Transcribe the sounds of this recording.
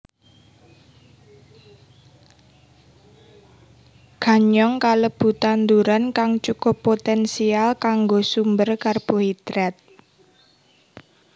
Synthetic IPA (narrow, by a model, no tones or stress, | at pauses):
ɡ̥a̤ɲɔŋkaləb̥ṳt̪and̪uɾankaŋt͡ʃuko̤pot̪ɛnsialkaŋɡosumbərkarb̥o̤id̪̥ɾɛt̪̚